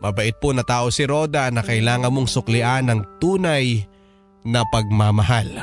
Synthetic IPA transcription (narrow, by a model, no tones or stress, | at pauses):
mɐbɐʔɪt̪̚ponɐt̪aːʔosɪɾo̞d̪anɐkɐʔɪlaːŋɐnmoŋsʊklɪʔanɐŋt̪uːnaj | nɐpɐɡ̚mamɐhal